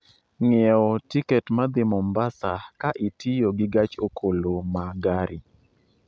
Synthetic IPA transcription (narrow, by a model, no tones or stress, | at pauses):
ŋɛɔtikɛtmad̪ɪmɔmbasakaʔitijoɡɪɡat͡ʃokʰolomaɡaɾi